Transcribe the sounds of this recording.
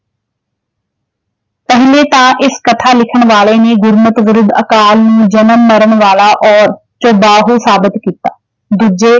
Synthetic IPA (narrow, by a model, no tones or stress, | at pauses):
pɛɦleːt̪ãːʔɪskət̪ʰaːlɪkʰəɳ̃ʋaːleːneːɡʊɾmət̪ʋəɾɪd̪əkaːlnũːd͡ʒənəmːəɾəɳ̃ʋaːlaːʔɔːɾ | t͡ʃoːbaːɦuːsaːbɪt̪kiːt̪aː | d̪ʊd͡ʒeː